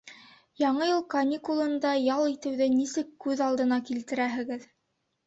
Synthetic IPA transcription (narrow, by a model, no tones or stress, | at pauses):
jɑɴɤjɤlˠkɐnʲikulˠɤ̆nd̪ɑjɑlˠit̪ɘ̆wðɘnisɘkːʉðɑlˠd̪ɤ̆nɑkilt̪ɘ̆ɾæɦɘ̆ɡɘð